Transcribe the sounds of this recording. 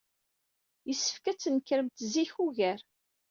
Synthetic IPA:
jəsːə̥fkæt͡sːənəkːɾəmt̪ziçuʝæɾ

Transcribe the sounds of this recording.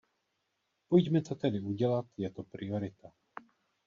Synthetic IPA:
pojɟmɛt̪ot̪ɛdɪuɟɛlat̪jɛt̪opɾɪoɾɪt̪a

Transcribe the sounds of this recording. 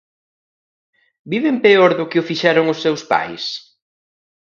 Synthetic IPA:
biβempeoɾðʊkɪʊfiʃaɾʊŋʊsːewspa̰js

